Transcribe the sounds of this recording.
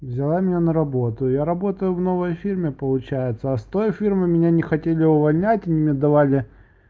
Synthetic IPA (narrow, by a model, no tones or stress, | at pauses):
vzʲɪlˠamʲɪnʲanəɾɐbo̞t̪ʊjaɾɐbo̞t̪əjʊvno̞vəjfʲirmʲɪpəlˠʊt͡ɕæjɪt̪səɐst̪o̞jfʲirmɨmʲɪnʲanʲɪxɐtʲelʲɪʊvɐlʲnʲætʲɪnʲimʲed̪ɐvalʲɪ